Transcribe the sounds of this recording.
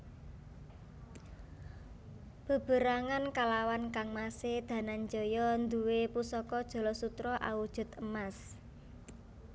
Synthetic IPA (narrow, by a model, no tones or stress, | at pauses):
b̥ə̤b̥ə̤ɾaŋankalawankaŋmased̪̥ä̤nand͡ʒɔ̤jɔnd̪uwepusɔkɔd̥ʒ̥ɔ̤lɔsut̪ɾɔʔa̰wud̥ʒ̥ʊ̤t̪əmas